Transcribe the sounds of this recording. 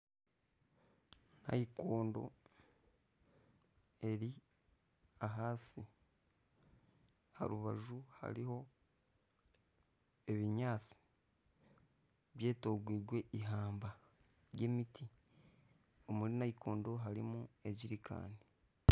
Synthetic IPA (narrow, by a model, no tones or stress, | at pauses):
na̰jikoːndo̞̰ | e̞ɾi | aɦaːsi | ha̰ɾuβaʒuha̰ɾiho̞ | e̞βiɲaːt͡si̥ | βje̞ːto̞ɡwiːɡwe̞ʔiɦaːmba | ɾjeːmitʰi | omuɾinaikʰo̞ːndo̞ɦaɾimue̞ɟiɾikʰa̰ːni